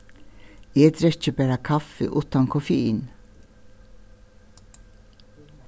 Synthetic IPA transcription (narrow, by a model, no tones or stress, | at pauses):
eːd̪ɾɛt͡ʃːəbæːɾakʰafə̰ʔuːt̪ankʰɔfɪiːn